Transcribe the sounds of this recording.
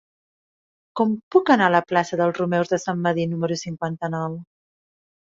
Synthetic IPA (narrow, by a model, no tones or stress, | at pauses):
kɔmpukənaləplasəðəlˠzrumɛwzðəsamːəðinuməɾusiŋkwant̪ənɔw